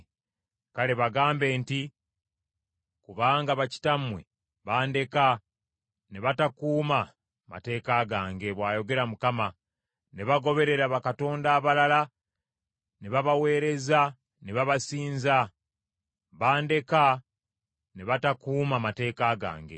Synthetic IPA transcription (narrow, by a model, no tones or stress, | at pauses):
kale̞βaɡaːmbe̞ːnti | kuβaːŋɡaβaci̥tamwe̞̰ | βaːnde̞ka | neβatakuːma | ma̰te̞ːkaɡaːŋɡe̞βwaːjo̞ɡe̞ɾamukama | neβaɡo̞βe̞ɾe̞ɾaβakato̞ːndaːβalala | neβaβawe̞ːɾe̞za | neβaβasiːnza | βaːnde̞ka | neβatakuːmamate̞ːkaɡa̰ːŋɡe̞̰